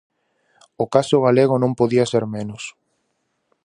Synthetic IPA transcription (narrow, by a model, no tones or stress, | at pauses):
okasʊɣaleɣ̞ʊnõmpoðiaseɾmenʊs